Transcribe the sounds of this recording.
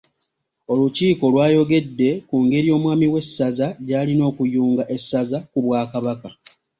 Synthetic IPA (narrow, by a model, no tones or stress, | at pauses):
o̞luciːko̞lwaːjo̞ɡe̞dːe̞kuŋɡe̞ɾijo̞ːmwaːmiwe̞sːazaɟaːlino̞ːkujuːŋɡaʔe̞sːazakuβwaːkaβaka